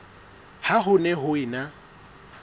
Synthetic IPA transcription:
haɦʊnɛɦʊɪna

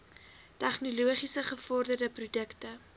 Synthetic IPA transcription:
tɛχnoluəχisəχəfɔrdərdəprudəktə

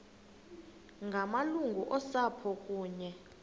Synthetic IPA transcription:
ŋɡʱamaluŋɡʱuʔɔsapʰɔkʼuːɲɛ

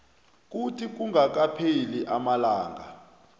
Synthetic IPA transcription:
k̬utʰik̬uŋak̬apʰeliʔamalaːŋɡa̰

